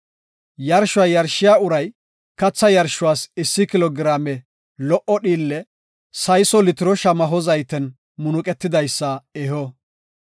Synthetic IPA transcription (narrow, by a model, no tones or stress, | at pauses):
jɐɾʃʊwajɐɾʃɪjaːʊɾɐj | kɐt͡sːɐjɐɾʃʊwaːsɪsːɪkɪlɔɡɪɾaːmɛ | lɔʔɔɗiːlːɛ | sɐjsɔlɪt̪ɪɾɔʃɐmɐɦɔzɐjt̪ɛn | mʊnʊkʼɛt̪ːɪd̪ɐjsːɐɛhɔ